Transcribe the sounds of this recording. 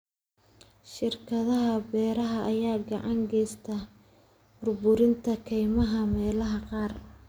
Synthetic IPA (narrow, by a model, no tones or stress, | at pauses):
ʃɪrkʰɐðɐɦɐbɛːɾɐɦɐʔɐjaːɡɑʕɑŋɡɛjst̪ʰɐ | bʊrbʊɾɪnt̪ʰɐkʰɛjmɐɦɐmɛːlɐɦɐqɑːr